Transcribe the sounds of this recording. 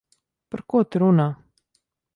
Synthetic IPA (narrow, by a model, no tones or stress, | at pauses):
paɾkuːt̪ɪɾunaː